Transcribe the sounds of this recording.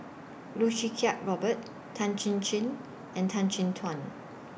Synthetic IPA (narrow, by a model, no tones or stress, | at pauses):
luʃikʰaʔ̚ɹɔbət̚ | tʰːãnt͡ʃĩnt͡ʃĩn | ʔɛ̃ntʰãnt͡ʃĩntʰwãn